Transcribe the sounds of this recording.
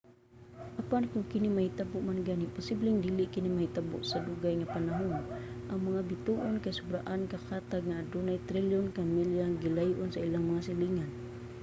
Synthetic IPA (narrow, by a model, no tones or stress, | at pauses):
ʔapankʊŋkinimahit̪abʊʔmanɡanipʊsiblɛŋdiliʔkinimahit̪abʊ̰ʔsaduɡajŋapanaɦʊnʔaŋmaŋabit̪uʔʊnkajsʊbɾaʔankakat̪aɡ̚ŋadunajt̪ɾiljɔnkamiljaŋɡilajuʔʊnsailaŋmaŋasiliŋan